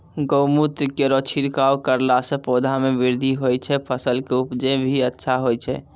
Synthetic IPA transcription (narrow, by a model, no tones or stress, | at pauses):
ɡəʊmut̪ɾikeɾɔt͡ʃʰiɾkawkəɾlasẽpoːd̪ʱameʋɪɾd̪ʱiɦojt͡ʃʰɛpʰəsəlkeʊpd͡ʒebʱiətːʃʰaɦojt͡ʃʰɛ̰